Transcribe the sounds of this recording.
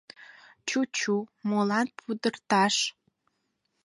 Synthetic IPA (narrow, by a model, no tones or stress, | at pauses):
t͡ɕut͡ɕumolɑnpʰud̪ərt̪ɑʃ